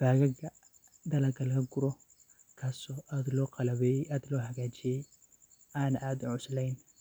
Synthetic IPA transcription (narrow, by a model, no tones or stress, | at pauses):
b̥aːɣɐɡɐ | d̪ɐlɐɡʰɐlkʰɐɡʊɾɔ | kʰaːsɔːʔaːd̪lɔːqɑlɐβɛaːd̪lɔːhɐɣaːt͡ʃɪjɛj | aːnɐʔaːd̪ʊʕʊslɛjn